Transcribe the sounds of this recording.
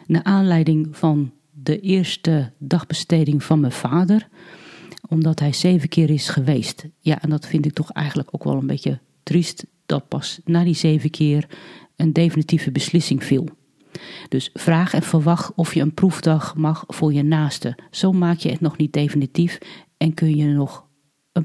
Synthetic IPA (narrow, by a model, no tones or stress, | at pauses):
naʔaːnlɛjdɪŋfɔn | dəʔɪərstədɑxb̥əsteːdɪŋfɔnməv̥aːdər | ɔmdɔtɦɛjseːvəkʰɪːɾɪsxəʋeːstja̰ʔɛndɔtfɪntɪk̚tɔxɛ̰jɣən̩dləko̰ːkʋɔ̰lˠənbetjə | trist | d̥ɔt̚pɑsnadizeːvəkʰɪːər | əndeːfinitivəbəslɪsɪŋfilˠ | d̥øsfraːxɛnfəʋɑxtɔfjəənpruvdɑxmɑxfʊːrjənaːstəsoːmaːkjəətnɔxnit̚deːfinitif | ɛnkʰønjənɔx | ə